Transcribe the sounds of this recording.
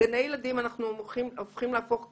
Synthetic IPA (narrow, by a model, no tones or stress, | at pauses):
enejeladimanaχnuiofχimleaafo̞χ